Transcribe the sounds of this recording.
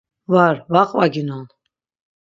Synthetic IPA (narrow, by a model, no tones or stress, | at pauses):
vaɾvaqʼvaɡinɔn